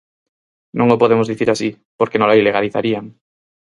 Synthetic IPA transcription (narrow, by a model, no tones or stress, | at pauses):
nõŋopoðemʊzðiθiɾasi | poɾkenõlaileɣaliθa̰ɾiaŋ